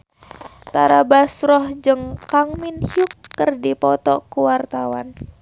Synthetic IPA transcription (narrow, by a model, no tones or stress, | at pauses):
t̪aɾabasrɔhd͡ʒɨŋkaŋminhiukːərdipɔt̪ɔkuwart̪awa̰n